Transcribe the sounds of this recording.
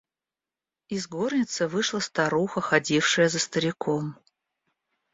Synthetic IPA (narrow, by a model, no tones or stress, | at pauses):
ɪzɡo̞rnʲɪt̪sɨvɨʂlˠəst̪aɾuxəxɐdʲifʂɨjəzəst̪əɾʲɪkʰom